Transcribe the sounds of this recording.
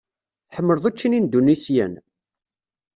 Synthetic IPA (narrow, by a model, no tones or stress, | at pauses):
θħəmːəɾðˤæt͡ʃːinind̪unisjæ̰n